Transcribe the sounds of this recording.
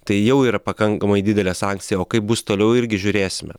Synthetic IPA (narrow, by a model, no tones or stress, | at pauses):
t̪ɐɪjɛʊiːɾɐpɐkɐŋkɐmɐɪd̪ʲɪd̪ʲɛlʲɛsɑŋʲkt̪sʲɪjɛoːkɐɪp̚bʊst̪oːlʲɛʊɪɾʲɡʲɪʒʲʊɾʲeːsʲɪmʲɛ̰